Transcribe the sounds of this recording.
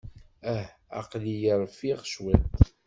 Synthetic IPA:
æh | a̰qlijəɾˤfiʁʃwæt̪

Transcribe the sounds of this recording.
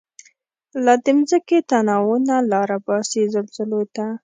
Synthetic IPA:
lad̪əmzəket̪anɑwunalɑɾabɑsezalzəlot̪a

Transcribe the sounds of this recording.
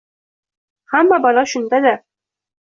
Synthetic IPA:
hamːabɒlˠɑʃʊnd̪ad̪a

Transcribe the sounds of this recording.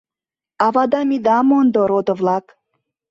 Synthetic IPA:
ɑvɑd̪ɑmid̪ɑmond̪oɾod̪ovlˠɑk

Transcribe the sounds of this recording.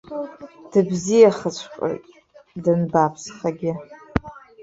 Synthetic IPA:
d̥ɨbzijaχət͡ʃʷʰqʷʼo̰jtʼ | dɨnbapʰsχaɡʲɪ

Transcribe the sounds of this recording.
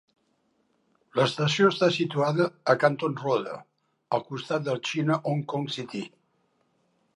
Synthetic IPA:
ləst̪əsioəst̪asit̪uaðəːkant̪onroðə̰ | əlˠkust̪at̪̚d̪əlt͡ʃinəʔoŋkɔŋsit̪i

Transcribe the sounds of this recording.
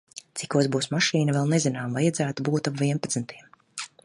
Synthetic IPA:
t̪si̥kuɔsbuːsmaʃiːnɐvɛlˠnɛzinaːmvajad̪zæːt̪ubuːt̪apviɛnpat̪snt̪ʰiɛm

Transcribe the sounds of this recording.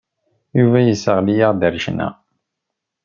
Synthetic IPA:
juvæjəsəʁlijaʁd̪əɾʃnæ̰

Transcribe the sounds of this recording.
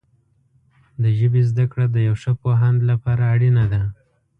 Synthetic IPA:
d̪əʒəbezd̪akɽad̪əjawʂəpoɦand̪lapɑɾaːɽinad̪a

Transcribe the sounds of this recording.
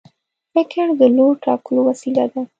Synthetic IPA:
pɪkɪɳd̪əloɾʈɑ̰kəlowasila̰d̪a

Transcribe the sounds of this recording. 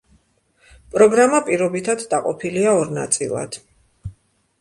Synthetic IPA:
pʼɾɔɡɾamapʼiɾɔbit̪ʰad̪d̪aqʼɔpʰiliaɔɾna̰t̪sʼḭlˠa̰d̪̥

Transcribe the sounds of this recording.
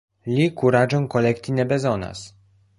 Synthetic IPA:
lʲikuɾad͡ʒɔŋkɔlɛkt̪ʲinɛbɛzɔna̰s

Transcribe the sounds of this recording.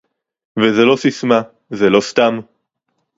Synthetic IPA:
vezelo̞sisma | zelo̞st̪am

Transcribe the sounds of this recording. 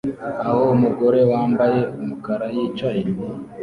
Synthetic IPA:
aho̞muɡo̞ɾe̞waːmbaje̞umukaɾajit͡ʃahiɾwi

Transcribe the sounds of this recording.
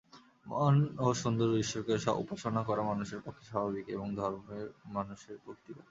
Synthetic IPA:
manoʃond̪oɾbiʃːoɾkeʃa̰ṵpaʃonakɔɾamanuʃeɾpɔkʰːeʃabʱabikeboŋd̪ʱɔɾmemanuʃeɾbokt̪iɾa̰

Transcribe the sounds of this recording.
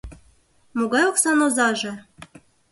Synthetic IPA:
moɣɑjoksɑnozɑʒɤ̆

